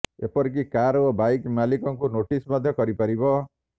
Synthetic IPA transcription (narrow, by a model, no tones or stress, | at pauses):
epɔɾik̬ikaɾobajkmalikɔŋkunoʈismɔd̪ʱjɔkɔɾipaɾibɔ